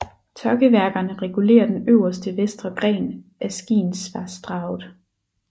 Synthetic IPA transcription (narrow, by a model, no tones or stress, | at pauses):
t͡sʰɒɡ̥əʋæɐɡ̥ɐnəʁɛɡ̥ule̝̰ːɐd̥enøʊ̰ɐsd̥əʋesd̥ʁɐɡ̥ʁɛ̰ːnʔæsɡ̥ḭːnsʋɑ̈sd̥ʁɑ̈ʊð̩ˠ